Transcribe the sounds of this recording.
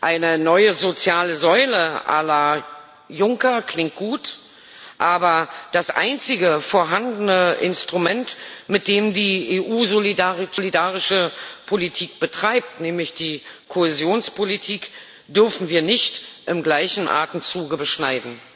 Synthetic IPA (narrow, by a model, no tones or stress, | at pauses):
ʔaɪnənɔʏəzot͡sjaːləzɔʏləʔa̰lɐ | jʊŋkɐkʰl̥ɪŋt̚ɡ̥uːt | ʔaːbɐd̥asʔa̰ɪnt͡sɪɡəfoːɐɦandn̩əʔɪ̰nstʁ̥umɛntmɪt̚d̥eːmdiːeːʔuːzolidaʁitʰlidaːʁɪʃəpʰolitʰiːk̚b̥ətʁ̥aɪp̚tnɛːmlɪçd̥iːkʰohezjoːnspʰolitʰiːk | d̥ʏɐfn̩viːɐnɪçtʔɪmɡlaɪçn̩ʔa̰ːtn̩t͡suːɡəbəʃnaɪdn̩